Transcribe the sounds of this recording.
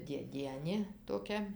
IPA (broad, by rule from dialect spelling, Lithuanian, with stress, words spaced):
dʲeːˈdʲiɛnʲeː toːˈkʲɛ